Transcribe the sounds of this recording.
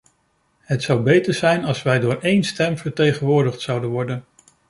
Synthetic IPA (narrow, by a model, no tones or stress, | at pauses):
ɦətsɑwbejtəɹzɛjnɑlˠsʋɛjdʊːɹejnstɛmvəɹtejχənʋʊːɹdəχtsɑwdənʋɔɹdən